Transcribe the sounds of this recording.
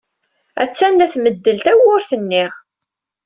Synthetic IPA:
æ̰t͡sːænlæθməd̪ːəlt̪æwːʊɾθənːɪʁ

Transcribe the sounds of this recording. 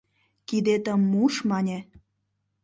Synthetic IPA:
kid̪et̪ə̆mːuʃmɑnʲe

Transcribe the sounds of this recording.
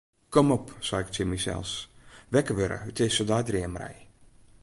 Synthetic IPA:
kɔmɔpsaɪk̚tɪmisɛ̰lˠsʋɛkəʋøɾə̰ətɪsodaːdriəmrɛ̰j

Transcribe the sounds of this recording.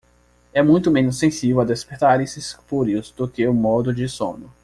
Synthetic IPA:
ɛmũj̃t̪ʊmẽnʊsːẽsivewad̪espeɾt̪aɾesɪspuɾjiʊsd̪ʊkɪʊmɔd̪ʊd͡ʒɪsõ̰nʊ

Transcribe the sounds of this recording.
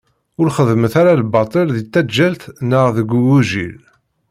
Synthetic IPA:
ʊɾχəðməθaɾalbɑt̪ˤelðit̪ːæd͡ʒælθnəʁðəɡʷuwuʒḭl

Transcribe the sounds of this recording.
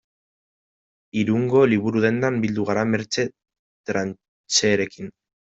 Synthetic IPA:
iɾuŋɡo̞liβuɾuð̞e̞nd̪ambild̪uɣ̞aɾame̞ɾt͡se̞ | t̪ɾan | t͡ʃe̞ːɾe̞kin

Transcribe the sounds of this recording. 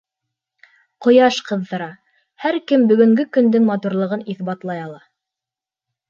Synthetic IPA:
qŏjɑʃqɤ̆ðːɤ̆ɾɑ | hæɾkɘmbɵ̆ɡɵ̆ŋɡɵkɵ̆nd̪ɵŋmɑt̪uɾlˠɤ̆ʁɤniθbɑt̪lˠɑjɑlˠɑ

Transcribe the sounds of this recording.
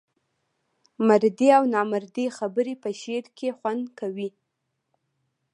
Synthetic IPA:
maɾd̪eawnɑmaɾd̪exabəɾepəʃeɾkʰexwand̪kawi

